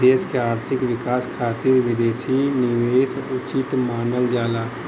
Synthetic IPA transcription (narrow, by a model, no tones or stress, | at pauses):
eːskeaːɾt̪ʰɪkʋɪkaːskʰaːt̪iːɾʋɪd̪eːʃinɪʋeːsʊt͡ʃit̪maːnəld͡ʒaːlaː